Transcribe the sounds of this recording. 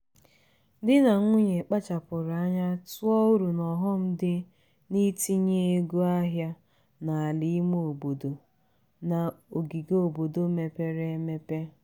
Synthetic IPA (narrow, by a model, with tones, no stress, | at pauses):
dɪ˦na˨ŋʷu˦ɲe˨k͡pa˦t͡ʃa˨pʊ˨ɾa˦ɲa˦tʊ˦ɔ˦u˦ɾu˨nɔ˨ɦɔ˦m̩˦dɪ˦ | ni˦ti˦ɲe˦e˦ɡu˦a˦ɦja˦ | na˨a˨li˦m˦o˨bo˨do˨ | na˨o˨ɡi˨ɡo˨bo˨do˨me˨pe˦ɾe˦me˦pe˦